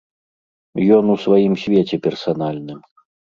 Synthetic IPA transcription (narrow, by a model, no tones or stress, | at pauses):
jɔnusvajimsʲvʲet͡sʲɛpʲɛrsanalʲnɨm